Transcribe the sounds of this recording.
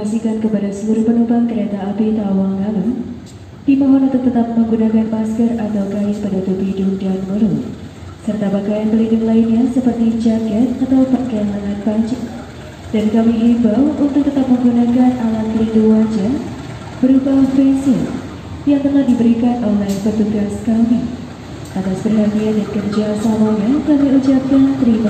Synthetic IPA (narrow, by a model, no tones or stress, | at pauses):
asikankəpadasəluɾuhpənubaŋkəɾet̪aːpet̪awaŋːalu | d̥imaɦɔnant̪uk̚t̪ət̪ap̚məŋɡunakanpaskərat̪awkajɪspadat̪uplidʊŋdanməɾu | sərt̪abaɡajanpəlindʊŋlainɲasəpərt̪id͡ʒaɡɛt̪̚at̪awbaɡajanlaŋat̪̚bad͡ʒa | d͡ʒadikamiʔibawʔunt̪ʊk̚t̪ət̪ap̚məŋɡunakanalan̚pəlinduŋwand͡ʒa | b̥əɾubahbɛsə | jaŋt̪ənahdibəɾikanɔnlapərt̪uɡaskami | ʔat̪asb̥ərɦat̪iadaɾikərd͡ʒasamaɲakamiut͡ʃap̚kant̪əɾim